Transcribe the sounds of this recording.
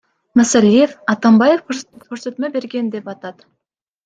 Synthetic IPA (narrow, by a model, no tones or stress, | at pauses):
mæsalʲːijefɑt̪ɑmbɑjefkʰɵkʰɵɾset̪mebe̞ɾɡʲe̞nd̪e̞pɑt̪ɑt̪